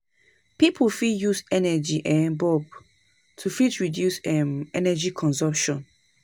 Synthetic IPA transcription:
pipʰufidjusɛnɛd͡ʒiʔɛ̃nbɔb̚ | tʰufidɹidjusɛ̃nɛnɛd͡ʒikʰɔ̃nzɔ̃mpʃɔ̃n

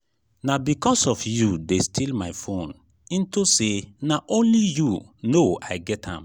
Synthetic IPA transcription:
nabikɔsɔfjudestʰilmaɪfõn | ĩntusenaʔõnlijunoa̰ɪɡɛthã̰m

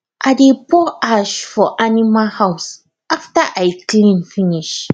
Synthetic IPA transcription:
ʔadepʰɔʔaʃfɔʔanimahaws | ʔaftaʔajklĩnfiniʃ

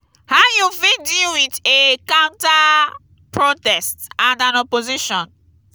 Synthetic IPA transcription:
hajufĩdiwitekãʊ̃nta | pɹotɛstãndãnɔpoziʃɔ̃n

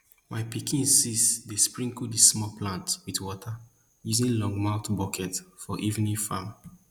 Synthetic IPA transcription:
maɪpikʰĩnsisdespɹĩŋkudismɔplãntwitwɔtʰa | juzĩnlɔ̃ŋɡmaʊtbɔkʰɛtfɔʔivnĩfã̰m

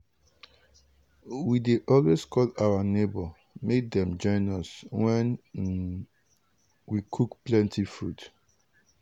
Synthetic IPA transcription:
wideʔɔlweskʰɔlawanebɔ | mek̚d̪ɛ̃md͡ʒɔ̃ɪ̃nɔswɛ̃n | wikʰukplɛ̃ntʰifɹut

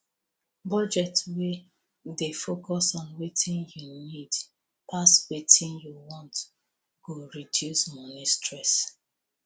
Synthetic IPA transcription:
bɔd͡ʒɛtwe | defokɔsɔ̃nwetʰĩnjunid | paswetĩnjuwɔ̃nt | ɡ̥oɹidjusmɔnistɹɛs

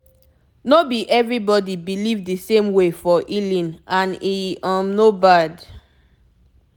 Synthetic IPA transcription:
nobiʔɛvɹibɔdibilivdisẽmwefɔʔilĩnãniãmnobad

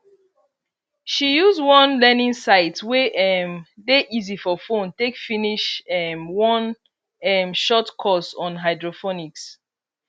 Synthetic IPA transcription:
ʃijuzwɔ̃nlɛnĩŋsaɪtweʔɛmdeʔizifɔfõntekfiniʃɛmwɔ̃n | ɛmʃɔtkʰɔsɔ̃nɦaɪdɹofɔniks

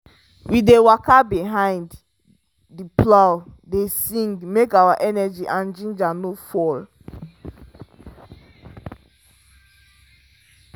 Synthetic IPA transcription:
widewakabiɦãɪ̃nd | diplawdesĩŋɡmekawaʔɛnɛd͡ʒiʔãnd͡ʒĩnd͡ʒanofɔl

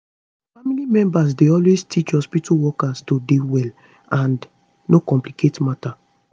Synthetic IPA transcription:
ffamilimɛ̃mbas̬deɔlwestʰit͡ʃhɔspituwɔkastodewɛl | ãn | nokɔ̃mpliketmata

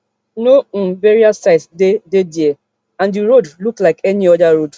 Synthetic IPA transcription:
nom̩veɾiasaɪsdededie | ãnuɾodluklaɪkɛniɔdaɾod

